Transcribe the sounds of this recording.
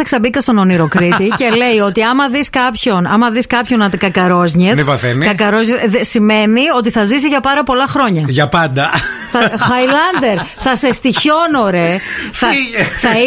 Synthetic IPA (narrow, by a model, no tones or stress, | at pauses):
ɐksɐbikɐst̪o̞noniɾo̞kɾitt̪ice̞le̞jo̞t̪iɐmɐðiskɐpço̞nɐmɐðiskɐpço̞nɐt̪ikɐkɐɾo̞zɲenipɐθenikɐkɐɾozɲesime̞nio̞t̪iθɐzisiʝɐpɐɾɐpo̞lɐxɾo̞ɲɐʝɐpɐnd̪ɐθɐxɐjlɐnd̪e̞ɾθɐse̞st̪iço̞no̞ɾe̞θɐθɐ